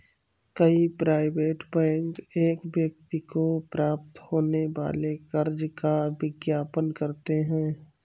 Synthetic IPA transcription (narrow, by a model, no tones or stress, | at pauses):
kəipɾaːɪʋeːʈbɛ̃ːŋkeːkʋjəkt̪ikopɾaːp̚t̪hoːneʋa̰ːlekəɾd͡ʒkabɪɡjaːpənkəɾt̪eɦɛ̃ː